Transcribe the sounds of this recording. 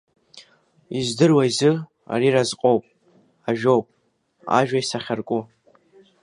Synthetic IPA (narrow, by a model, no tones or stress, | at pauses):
izdɨrwaizɨ | a̰ɾiɾazqʼo̞wpʼ | aʒᶣo̞wpʼ | a̰ʒᶣaisaχʲarkʷʼʊ